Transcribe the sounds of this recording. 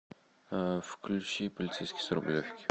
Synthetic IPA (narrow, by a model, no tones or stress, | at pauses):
fklʲʊt͡ɕipəlʲɪt̪sejskʲɪjsɾʊblʲofʲkʲɪ̥